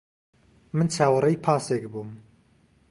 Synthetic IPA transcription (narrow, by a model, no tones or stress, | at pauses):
mɨnt͡ʃʰaːwɨrejpʰaːsekbum